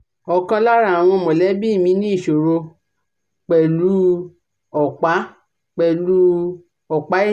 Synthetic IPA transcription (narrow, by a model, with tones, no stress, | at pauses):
ɔ˨kã˧la˦ɾa˦˨a˨w̃ɔ̃˧mɔ̃˨lɛ˨˦bi˦i˦˨mĩ˧˦nĩ˦i˦˨ʃo˨ɾo˧ | k͡pɛ˨lu˦ | ɔ˨k͡pa˨˦ | k͡pɛ˨lu˦ | ɔ˨k͡pa˨˦